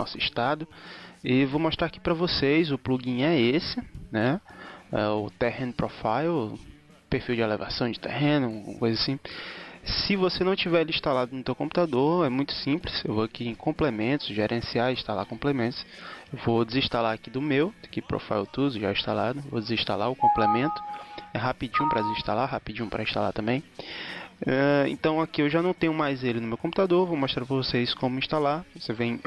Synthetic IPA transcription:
nɔ̰sʊiʃt̪ad̪ʊivomɔʃt̪ɾaɾki̥pɾɐvosejzʊpluɡĩɲɛesɪnɛ | ɛ̰ʊt̪ɛhẽnʊpɾɔfaj | peɾfiwd͡ʒɪɛlɛva̰sɐ̃w̃d͡ʒɪt̪ɛ̰hẽnʊɡṵ̃ɐkojzasĩ | sɪvosenɐ̃w̃t͡ʃivɛɾĩʃt̪alad̪ʊnʊt̪ewkõmpu̥t̪ad̪oɾɛmũj̃t̪ʊ̥sĩplɪsewvoakiẽj̃kʰõmplemẽnt̪ʊ̥sʒeɾʔẽsiaĩʃt̪alakõmplemẽnt̪ʊsewvod̪ɪzĩʃt̪alaɾakid̪ʊmewd̪kipɾo̰fa̰jt̪uzʊʒaĩʃt̪alad̪ʊvo̰d̪ɪzĩʃt̪a̰laʊkõmplemẽnt̪ʊ̥ɛɦapid͡ʒĩʊ̃pɾɐd͡ʒɪzĩʃt̪alaɦapid͡ʒĩpɾɐĩʃt̪a̰la̰ɾt̪ɐ̃mbẽj̃ | ɛḛ̃nt̪ɐ̃w̃akiewʒanɐ̃w̃t̪ẽɲjʊmajzelɪnʊmewkõmput̪ad̪oɾvowmoʃt̪ɾaɾpɾɐvoseisʊ̥kõmʊĩʃt̪alaɾvosevẽj̃

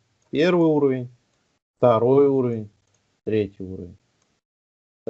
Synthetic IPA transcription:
pʲervɨjuɾəvʲɪnʲ | ft̪aɾojuɾəvʲɪnʲ | t̪ɾʲetʲɪjuɾə̰vʲɪnʲ

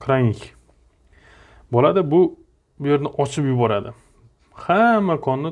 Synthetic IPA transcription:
kʰɾanʲɪkʲ | bɒlad̪abʊ | ʊje̞ɾnɪʔɒt͡ʃʰɪpjʊbɒɾad̪ɪ | hamːakʰɒnːɪ

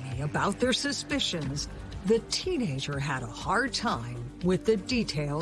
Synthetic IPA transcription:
iɨbaʊt̪̚ðə˞sɨspɪʃɨ̃nz | ðɨtʰĩneɪd͡ʒə˞ɨɾəhɑɹd̚tʰãɪ̃mwɪðɨditʰeɪlˠ

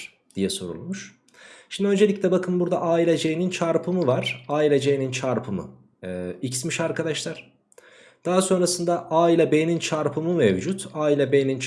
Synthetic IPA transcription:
d̪̥ijɛso̞̰ɾṵlˠmuʃ | ʃimnd̪ø̞nd͡ʒe̞lʲicʲlʲɛbakʰɯnbuɾd̪aʔaːilʲed͡ʒejinint͡ʃʰaɾpʰɯmɯvaɾ̥aːilʲed͡ʒejinint͡ʃʰaɾpʰɯmɯ̰ | icsmiʃaɾkʰad̪aʃlˠaɾ̥ | d̪̥aɦaso̞nɾasɯnd̪aʔaːilʲabejnint͡ʃʰaɾpʰɯmɯmevd͡ʒut̪ʰaːilʲabenint͡ʃ

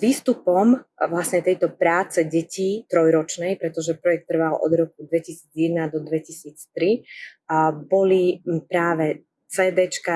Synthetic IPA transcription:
ʋiːst̪upɔmʋlasɲɛt̪ɛjt̪ɔpɾaːt͡sɛɟɛciːt̪ɾɔjɾɔt͡ʃnɛjpɾɛt̪ɔʒɛpɾɔjɛk̚t̪ːr̩ʋalʔɔ̰d̪ɾɔk̚ud̪ʋɛcisiːd͡zjɛd̪nad̪ɔd̪ʋɛcisiːt͡st̪ɾi | bɔlipɾaːʋɛ | t͡sɛːd̪ɛt͡ʃka

